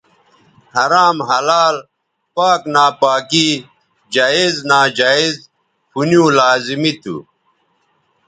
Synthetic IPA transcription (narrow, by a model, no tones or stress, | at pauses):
hɐɾaːmɦɐlaːl | paːknaːpaːki | d͡ʑaːiznaːd͡ʑaːiz | pʰunjũːlaːzimit̪ṵ